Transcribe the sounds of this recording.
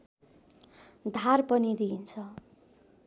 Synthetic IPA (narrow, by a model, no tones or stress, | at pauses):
d̪ʱarpʌnid̪iːnt͡sʰʌ